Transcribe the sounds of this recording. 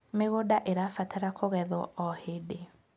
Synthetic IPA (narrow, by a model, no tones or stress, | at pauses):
meɣodaʔeɾafataɾakʰoɣɛðɔɔhede